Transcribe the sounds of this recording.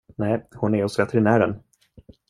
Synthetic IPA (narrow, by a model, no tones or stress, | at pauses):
nɛːhʊnɛɾɔsvɛt̪ːɾɪnæːɖɛn